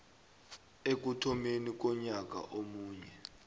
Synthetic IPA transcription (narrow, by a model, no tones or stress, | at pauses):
ek̬utʰɔmenik̬ɔɲak̬a̰ʔomuːɲɛ